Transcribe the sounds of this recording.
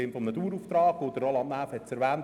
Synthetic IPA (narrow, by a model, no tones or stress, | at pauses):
ɪmfɔmnɑt̪uːɾuːft̪ɾɑːɡod̥̪əɾɔlɑnnæːfhɛtt͡sɛɾʋæːn